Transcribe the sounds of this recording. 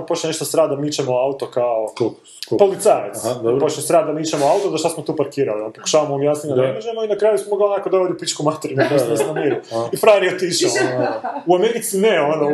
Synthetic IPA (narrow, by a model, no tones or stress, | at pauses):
pot͡ʃeneʃt̪osɾaːd̪amit͡ʃemoaut̪okaoo | opo̞lit̪sajet̪sd̪oɾpot͡ʃesɾaːd̪amit͡ʃemoaut̪ozaʃt̪asmot̪uːpaɾkiːɾa̰lionpoku̥ʃaːʋamomjasniad̪aaʒemoinakɾaːjusmomoɡaonakod̪aʋod̪iupit͡ʃkumat̪eɾunaɡosesnamiɾuifɾaɾiot̪iʃ | uameɾit̪sineono